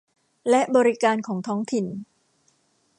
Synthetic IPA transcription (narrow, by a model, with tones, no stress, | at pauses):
lɛ˦˥ʔbɔː˧ɾi˦˧kaː˧nkʰɔː˩˦ŋt̪ʰɔː˦˥ŋt̪ʰi˨˩n